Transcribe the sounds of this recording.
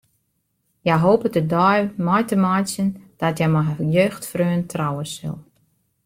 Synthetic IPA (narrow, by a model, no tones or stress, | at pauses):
jɛjɦoːpətədɔjmɔjtəmɔjsjənd̥ɔtjɛmɔjøːxtfrøːəntʰrawəsə̰lˠ